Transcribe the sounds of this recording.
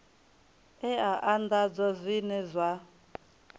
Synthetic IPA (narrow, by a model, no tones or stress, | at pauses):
ɛaʔand̪ad͡zɔzʷinɛzʷa